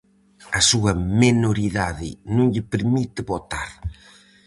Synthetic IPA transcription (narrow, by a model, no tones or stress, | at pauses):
ɐsuɐminoɾiðaðɪ̰nũŋʎɪpeɾmit̪ɪβot̪aɾ